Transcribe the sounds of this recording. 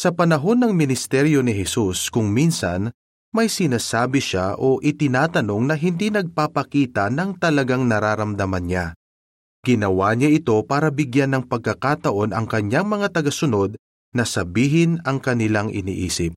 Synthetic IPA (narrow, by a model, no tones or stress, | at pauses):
sɐpɐnɐɦo̞nːɐŋmɪnɪst̪ɛɾjo̞nɪɦɛsuskʊŋminsɐ̰n | mɐjsɪnaːsaːbɪʃaʔo̞ʔɪt̪ɪnaːt̪ɐno̞ŋnɐɦɪnd̪inɐɡ̚paːpɐkiːt̪ɐnɐŋt̪ɐlɐɡaŋnɐɾaːɾɐmd̪ɐmɐnɲa | ɡ̥ɪnɐwaːɲaʔɪt̪o̞paːɾɐbɪɡjanːɐŋpɐɡ̚kɐkaːt̪ɐʔo̞nɐ̰ŋkɐɲaŋmɐŋat̪ɐɡɐsʊno̞d̪̚ | nɐsɐbiːɦɪnɐŋkɐnɪlaŋʔɪ̰nḭːʔḭːsɪp̚